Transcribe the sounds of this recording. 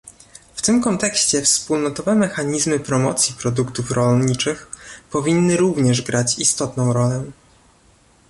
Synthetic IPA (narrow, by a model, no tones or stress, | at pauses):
ft̪ɘmkɔnt̪ɛkɕt͡ɕɛfspulnɔt̪ɔvɛmɛxaɲizmɘpɾɔmɔ̰t̪sʲjipɾɔd̪ukt̪ufɾɔlɲit͡ʂɘxpɔvʲinːɘɾuvɲɛʐɡɾʔat͡ɕist̪ɔt̪nɔ̃w̃ɾɔlɛ